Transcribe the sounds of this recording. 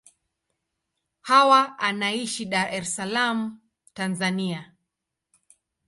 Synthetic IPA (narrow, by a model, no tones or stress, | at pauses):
hawaanaiʃiɗaɛɾɛsalamu | tanzania